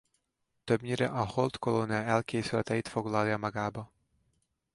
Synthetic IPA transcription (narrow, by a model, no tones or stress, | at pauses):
t̪øbɲʲiɾɛ̰ʔɒholt̪koloniɑɛlkejsylɛt̪ɛjit̪foɡlˠaljɑmɑɡaːbɒ